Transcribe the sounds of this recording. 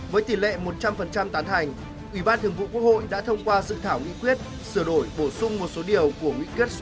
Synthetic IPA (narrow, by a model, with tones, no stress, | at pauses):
vəː˨˦jt̪i˧˩lḛ˧˨mo˨˩t̚t͡ɕa˧mfə˨˩nt͡ɕa˧mt̪aː˨˦nt̪ʰa˨˩jŋ̟ | ʔwi˧˩ɓaː˧nt̪ʰɨ˨˩əŋvṵ˧˨ku˦˥ək̚ho̰˧˨jɗa̰ː˧˥t̪ʰə˧wŋ͡mkwaː˧zɨ̰˧˨t̪ʰaː˧˩wŋḭ˧˥kwi˦˥ət̚ | sɨ˧˩əɗo˧˩jɓo˧˩sʊ˧ŋ͡mmo˨˩t̚so˨˦ɗi˨˩əwku˧˩əŋwḭ˧˥kwi˦˥ət̚s